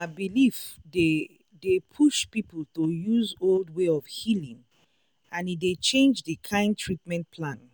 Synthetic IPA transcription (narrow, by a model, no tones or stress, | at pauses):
abilifde | depʰuʃpipəl̩ˠtojuzoldweɔvhilĩŋ | ãnidet͡ʃẽnd͡ʒðəkʰãɪ̃ntʰɹitmɛ̃nt̚pʰlãn